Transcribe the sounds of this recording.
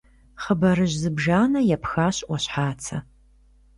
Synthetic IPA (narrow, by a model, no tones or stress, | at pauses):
χəbɐɾɨʑzɨbʒaːnɐjɛpxaːɕʼʔʷwɐɕħaːt͡sʰɐ